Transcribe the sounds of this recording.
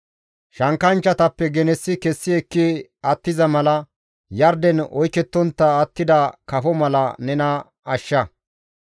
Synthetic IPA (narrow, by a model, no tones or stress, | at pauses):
ʃɐŋkɐnt͡ʃːɐt̪ɐpːɛɡɛnɛsːɪkɛsːɪɛkːɪɐt̪ːɪzɐmɐlɐ | jɐɾd̪ɛnɔjkɛt̪ːɔnt̪ːɐːt̪ːɪd̪ɐkɐfɔmɐlɐ̰nɛnɐ | ɐʃːɐ